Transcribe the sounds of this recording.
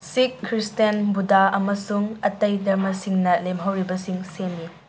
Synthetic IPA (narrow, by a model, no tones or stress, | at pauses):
sikʰːɾistenbudaɐmɐsuŋɐtɐjdɐɾmɐsiŋnɐlemɦɐwɾibɐsiŋsenːi